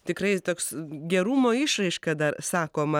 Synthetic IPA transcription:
t̪ʲɪkrɐɪt̪oːksɡʲɛɾuːmoːɪʃrɐɪʃkɐd̪ɐrsɑːkoːmɐ

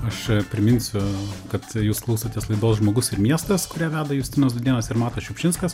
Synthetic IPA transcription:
ɐʃpʲɾʲɪmʲɪnʲsʲʊkɐt̪juːsklˠɐʊsɐt̪ʲiːslˠɐɪd̪oːsʒmoːɡʊsɪɾmʲiɛst̪ɐskʊɾʲiːʋʲæːd̪ɐjuːsʲt̪ʲɪnoːsd̪ʊd̪ʲiɛnɐːsɪɾmɑːt̪ɐʃʲɛʊpʲʃʲɪnskɐs

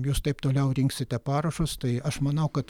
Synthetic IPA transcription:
juːst̪ɐɪpt̪oːlʲɛʊɾʲɪŋksʲɪt̪ʲɛpɑːɾɐʃoːst̪ɐɪɐʃmɐnɐʊkɐt̪

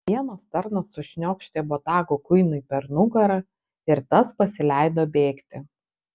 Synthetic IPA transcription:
ʋʲiɛnɐst̪ɐɾnɐsːʊʃʲnʲoːkʃʲt̪ʲeːbot̪ɑːɡokʊɪnʊipʲɛɾnʊɡɐɾɐ | ɪɾt̪ɐspɐsʲɪlʲæˑɪd̪oːbʲeːkt̪ʲɪ

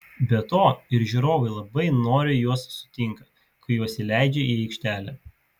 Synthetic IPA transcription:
bʲɛt̪oːɪɾʒʲuɾoːʋɐɪlˠɐbɐɪnoːɾʲɪjuɔsːʊ̥t̪ʲɪŋkɐ | kɐɪjuɔsʲilʲæɪd͡ʒʲɛiːɛɪkʃʲt̪ʲæːlʲɛː

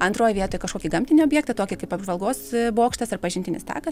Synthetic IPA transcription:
ɐnt̪ɾoːjʋʲiɛt̪oːjkɐʃkoːkʲiɡɐmʲt̪ʲɪnʲioːbʲjɛkt̪ɐt̪oːkʲɪkɐɪpɐbʒʋɐlˠɡoːsboːkʃt̪ɐsɐrpɐʒʲɪnʲt̪ʲɪnʲɪst̪ɑ̰ːkɐs

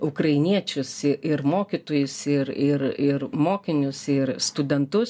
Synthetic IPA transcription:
ʊkɾɐɪnʲiɛt͡ʃʲʊsɪɪrmoːkʲit̪oːjʊsɪɾɪɾɪrmoːkʲɪnʲʊsɪrst̪ʊd̪ʲɛnt̪ʊs

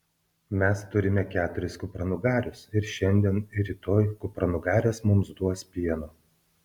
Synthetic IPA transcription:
mʲɛst̪ʊɾʲɪmʲɛkʲæːt̪ʊɾʲɪskʊpɾɐnʊɡɑːɾʲʊsɪɾʃʲɛnʲd̪ʲiɛnɪɾʲit̪oːjkʊpɾɐnʊɡɑːɾʲeːsmʊmsd̪uɔspʲiɛnoː

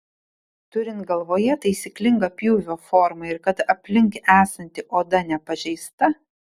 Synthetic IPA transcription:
t̪ʊɾʲɪnt̪̚ɡɐlˠʋoːjɛt̪ɐɪsʲiklʲɪŋɡɐpʲjuːʋʲoːfoːɾmɐɪɾkɐt̪ɐpʲlʲɪŋʲkʲʔæːsɐnʲt̪ʲɪʔoːd̪ɐnʲɛpɐʒʲɛɪst̪ɐ

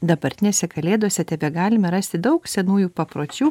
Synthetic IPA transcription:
d̪ɐbɐɾʲt̪ʲɪnʲeːsʲɛkɐlʲeːd̪uɔsʲɛt̪ʲɛbʲɛɡɑːlʲɪmɐɾɑsʲt̪ʲɪd̪ɐʊksʲɛnuːjuːpɐpɾoːt͡ʃʲuː

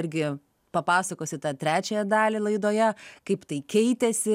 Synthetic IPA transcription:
ɪɾʲɡʲɪ | pɐpɑːsɐkoːsʲɪt̪ɑt̪ʲɾʲæːt͡ʃʲɛjɛd̪ɑːlʲɪlˠɐɪd̪oːjɛkɐɪpt̪ɐɪkʲɛɪt̪ʲɛsʲɪ

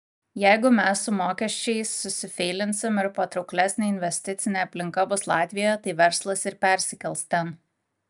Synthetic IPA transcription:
jæɪɡʊmʲɛsːʊmoːkʲɛʃʲt͡ʃʲɛɪsːʊsʲɪfʲɛɪlʲɪnʲsʲɪmɪɾpɐt̪ɾʊʊklʲæsʲnʲeɪnʲʋʲɛsʲt̪ʲɪt̪sʲɪnʲeːɐpʲlʲɪŋkɐbʊslˠɑːt̪ʲʋʲɪjoːjɛt̪ɐɪʋʲɛɾslˠɐsɪɾpʲæˑɾʲsʲɪkʲɛlˠst̪ʲɛn

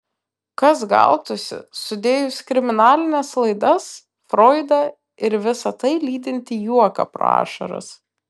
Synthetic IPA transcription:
kɐsɡɐ̰lˠt̪ʊsʲɪ̰sʊd̪ʲeːjʊsʲkɾʲɪmʲɪnɑːlʲɪnʲɛslˠɐɪd̪ɐs | fɾoːɪd̪ɐ | ɪɾʋʲɪsɐt̪ɐɪlʲiːd̪ʲɪnʲt̪ʲɪjuɔkɐ̰pɾo̰ɑ̰ːʃɐ̰ɾɐ̰s

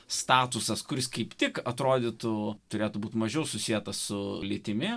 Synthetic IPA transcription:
st̪ɑːt̪ʊsɐskʊɾʲɪskɐɪpt̪ʲɪkɐt̪ɾoːd̪ʲɪt̪ʊt̪ʊɾʲeːt̪ʊbuːt̪mɐʒʲɛʊsʊsʲijɛt̪ɐssʊlʲit̪ʲɪmʲɪ

